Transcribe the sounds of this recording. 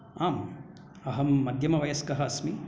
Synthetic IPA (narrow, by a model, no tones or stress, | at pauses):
aːm | ɐɦɐmːɐd̪ʱjɐmɐʋɐjɐskɐɦɐɐsmi